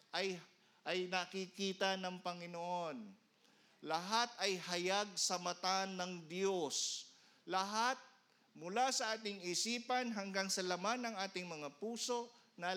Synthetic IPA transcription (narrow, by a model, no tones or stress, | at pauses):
ʔɐj | ʔɐjnɐkɪkiːt̪ɐnɐŋpɐŋɪnoʔo̞n | lɐɦat̪̚ɐjhɐjaɡ̚sɐmɐt̪anːɐŋd̪jo̞s | lɐɦat̪̚ | mʊlasɐʔaːt̪ɪŋɪsiːpɐnɦɐŋɡaŋsɐlɐmanɐŋʔaːt̪ɪŋmɐŋapuːso̞ʔ | nɐ